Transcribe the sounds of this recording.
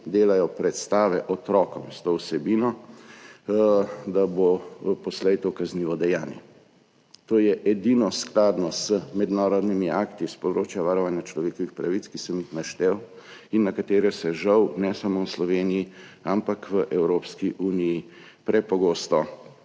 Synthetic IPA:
d̪eːlajɔpɾɛt̪st̪aːʋɛʔɔt̪ɾɔːkɔmst̪oːwsɛbiːnɔ | d̪abopɔslɛjt̪okazniːʋɔd̪ɛjaːnjɛ | t̪oːjɛʔɛd̪inɔsklaːd̪nɔzəmɛd̪naːɾɔd̪nimiakt̪ispɔd̪ɾoːt͡ʃjaʋaːɾɔʋaːnjat͡ʃlɔʋeːkɔʋixpɾaʋitskisəmixnaʃt̪ɛwinːakat̪eːɾɛsɛʒɐwnɛsamowslɔʋeːnijiampakʋəʔɛwɾopskiʔuːniji | pɾɛpɔɡoːst̪ɔ

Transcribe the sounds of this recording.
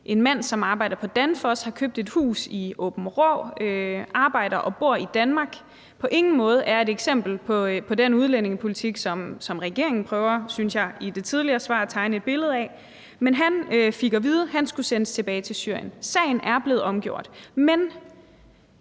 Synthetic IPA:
ʔe̝nmæn̰sɒ̽mɑ̈ːb̥ɑ̈ɪ̰d̥ɐpʰɒ̽d̥ænfɒshɑ̈kʰøb̥̚d̥e̝d̥hṵːsiɔːb̥n̩ʁɒøʔɑ̈ːb̥ɑ̈ɪ̰ɾ̥ɐʔɒ̽b̥o̝ɐ̰id̥ænmɑ̈ːɡ̥ | pʰɒ̽ʔe̝ŋn̩mɔ̽ːð̞̩ˠʔæɐe̝ɾeɡ̥sem̰b̥l̩pʰɒ̽pʰɒ̽denuð̞ˠlene̝ŋəpʰo̝lit͡sʰiɡ̥sɒ̽msɒ̽mʁɛɡ̥e̝ɐ̰e̝ŋn̩pʰʁœːʊɐsynsjɑ̈ɪid̥e̝t͡sʰið̞ˠliɐːsʋɑ̰̈ːæt͡sʰɑ̈ɪnəe̝d̥̚b̥e̝ləð̞̩ˠɛ̰ | menɦænøfiɡ̥ɐʋið̞ˠəɦænsɡ̥usenəst͡sʰe̝b̥ɛːɪt͡sʰe̝lsy̰ɐ̰jənsɛ̰ɪn̩ʔæɐb̥le̝ːð̩ˠɒ̽mɡ̥jo̝ɐ̰d̥men

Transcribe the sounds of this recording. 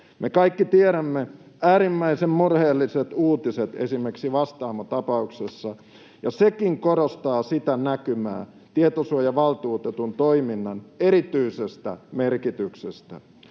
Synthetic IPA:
mʔekɑikːit̪ieɾæmːe | æːɾimːæisemmurheːlːiset̪uːt̪iset̪esimerksiʋɑst̪ɑːmɑt̪ɑpɑuksesːɑ | jɑsekiŋkoɾost̪ɑːsit̪ænækymæ̰ː | t̪iet̪osuojɑʋɑlt̪uːt̪et̪unt̪oiminːɑneɾit̪yisest̪æ̰merkit̪yksest̪æ̰

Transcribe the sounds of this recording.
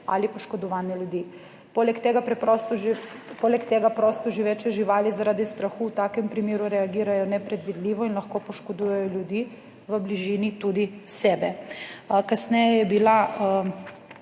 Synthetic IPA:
a̰lipɔʃkɔd̪ɔʋaːnjɛljud̪iː | polɛkt̪eːɡapɾɛpɾɔst̪ɔpolɛkt̪eːɡapɾoːst̪ɔʒiʋeːt͡ʃɛʒiʋaːlizaɾaːd̪ist̪ɾaxuːt̪aːkɛmpɾimeːɾuɾɛaɡiːɾajɔnɛpɾɛd̪ʋid̪liːʋɔinlɐxkoːpɔʃkɔd̪uːjɛjɔljud̪iː | ʋəbliʒiːnit̪ud̪isɛːbɛ | kasnɛjɛjɛbila

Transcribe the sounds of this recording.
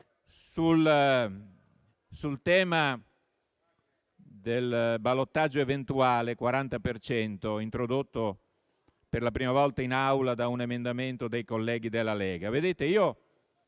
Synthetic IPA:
sul | sult̪ɛːma | d̪elbalot̪ːad͡ʒːoevent̪uaːlekwaɾant̪apert͡ʃɛnt̪oint̪ɾod̪ot̪ːo | perlapɾiːmavɔlt̪ainawlad̪aunemend̪ament̪od̪ejkolːɛːɡid̪elːalɛːɡaved̪eːt̪eiːo

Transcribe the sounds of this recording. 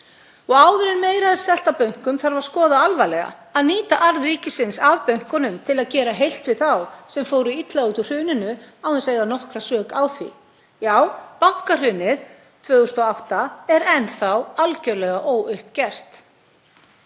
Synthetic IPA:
ɔɣaːwvɪɾɪnmeːjɾað̥sɛl̥t̪apœŋ̥kʏmθaɾvaɾ̥skɔːðaalvalɛɣa̰aðniːt̪aʔaɾðriːcɪsɪnsaðpœɥŋ̥kɔnʏmt̪ʰɪlaðcɛːɾaɦejl̥t̪vɪðθawsɛmfowɾʏit̪lauːt̪ʏr̥ʏːnɪnʏawɛnseːɣðanɔhkɾasœːkawθvḭ | jaːwpaŋ̥kar̥ʏːnɪð | t̪ʰvœːɣʏst̪ɔawht̪aɛɾɛnθawalcœlɛɣaʔɔwʏhpcɛr̥t̪

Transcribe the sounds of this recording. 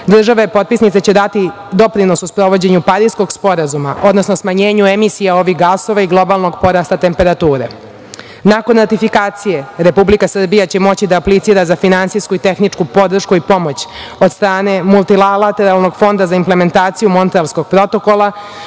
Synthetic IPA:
d̪r̩ʒaʋaipo̞t̪̚pisnit̪set͡ɕe̞d̪at̪i | d̪o̞pɾino̞suspɾo̞ʋo̞d͡ʑe̞ɲupaɾisko̞ɡspo̞ɾazuma̰ʔo̞d̪no̞snosmaɲe̞ːɲuemisijao̞ʋixɡaso̞ʋaiɡlˠo̞balˠno̞ɡpo̞ɾast̪at̪e̞mpe̞ɾat̪uːɾe̞̰ | nako̞nɾat̪ifikaːt̪sije̞ɾe̞publikasr̩bijat͡ɕe̞mo̞t͡ɕid̪aːplit̪siːɾazafinant̪sijskuit̪e̞xnit͡ʂkupo̞d̪r̩ʃkuipo̞mo̞t͡ɕo̞d̪st̪ɾaːne̞mulˠt̪ilalat̪eɾalno̞ɡfo̞nd̪azaimple̞me̞nt̪aːt̪sijumo̞nt̪ɾalsko̞ɡ̥̚pɾo̞t̪o̞ko̞lˠa

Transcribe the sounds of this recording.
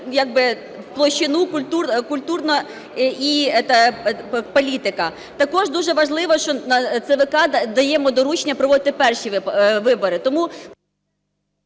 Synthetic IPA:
jɐɡ̚bɪ | wplˠɔʃt͡ʃːɪnukʊlʲt̪urkʊlʲt̪urnɔ | iɛt̪ɐ | pɔlʲit̪ɪkɐ | t̪ɐkɔʒd̪uʒɛʋɐʒlˠɪʋɔʃt͡ʃɔnɐt̪sɛʋɪkɑd̪ɐjɛmɔd̪ɔɾut͡ʃnʲɐpɾɔʋɔd̪ɪt̪ɪpɛrʃiʋɪbɔɾɪt̪ɔmu

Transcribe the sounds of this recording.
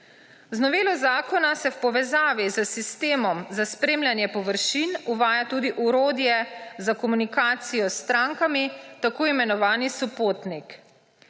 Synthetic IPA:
znɔʋeːlɔzaːkɔnasɛwpɔʋɛzaːʋizəsist̪eːmɔmzaspɾeːmlʲjanjɛpɔʋəɾʃinuʋaːjat̪uːd̪iʔuɾoːd̪jɛzakɔmunikaːt̪sijɔst̪ɾaːŋkamit̪akoːimɛnɔʋaːnisupoːt̪nik

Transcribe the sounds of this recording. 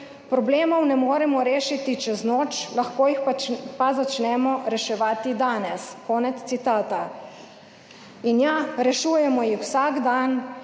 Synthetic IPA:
pɾɔbleːmɔwnɛmoːɾɛmɔɾeːʃit̪it͡ʃɛznoːt͡ʃlaxkoːjixpapazat͡ʃnɛmɔɾɛʃɛʋaːt̪id̪aːnɛskɔːnɛt̪t̪sit̪aːt̪a | injaɾɛʃuːjɛmɔjixwsaːɡd̪an

